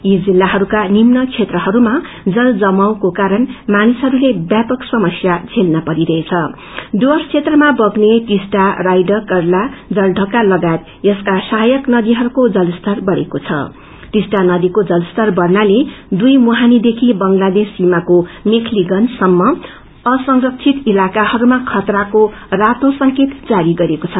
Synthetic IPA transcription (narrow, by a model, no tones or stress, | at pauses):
jid͡zilːaɦʌɾukanimnʌkt͡sʰet̪rʌɦʌɾuma | d͡zʌld͡zʌmʌwkokaɾʌnmanisɦʌɾulebjapʌksʌmʌsjad͡zʰʱelnʌpʌɾiɾʌet͡sʰʌ | ɖoʌrst͡sʰet̪rʌmabʌɡneʈisʈarajɖʌkʌrlad͡zʌlɖʱʌkalʌɡat̪ | jʌskasaɦajʌknʌd̪iɦʌɾukod͡zʌlst̪ʌrbʌɽḛkot͡sʰʌ̰ | ʈisʈanʌd̪ikod͡zʌlst̪ʌrbʌrnaled̪ujmuɦanid̪ekʰibʌŋlad̪esːimakomikʰliɡʌnsʌmːʌ | ʌsʌŋrʌksʰit̪ilakahʌɾumakʰʌt̪rako | rat̪osʌŋket̪d͡zaɾiɡʌɾekot͡sʰʌ